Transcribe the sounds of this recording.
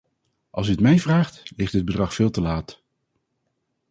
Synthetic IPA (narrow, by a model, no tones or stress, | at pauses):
ʔɑ̰lˠsyətmɛjvraːχtlɪχtəd̚bədrɑχfɪːlˠtəlaːt